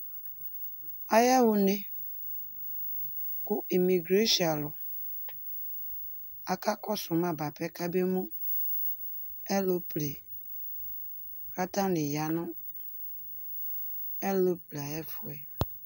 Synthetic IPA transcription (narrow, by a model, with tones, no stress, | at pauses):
a˦jɛ˦wʊ˨ne˦ | kʊ˦i˨mi˨ɡɾe˦ʃa˨lʊ˨ | a˨ka˦kɔ˦sʊ˨mã˦ba˨pɛ˦ka˦be˦mũ˦ | ɛ˦lo˦ple˨ | ka˦tã˦nɪ˨ja˨nʊ̃˦ | ɛ˦lo˦ple˨a˨jɛ˦fʊ˨ɛ˨